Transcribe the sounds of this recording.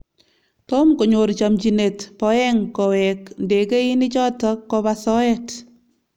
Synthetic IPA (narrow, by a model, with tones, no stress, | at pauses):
tɔ˦mko˨ɲo˨ɾt͡ʃa˨mt͡ʃi˨ne˨tpɔ˨ɛ˦ŋkɔ˨wɛknde˨ke˦i˦ni˦t͡ʃɔ˦tɔ˦kːɔ˧pa˧sɔ˦ɛt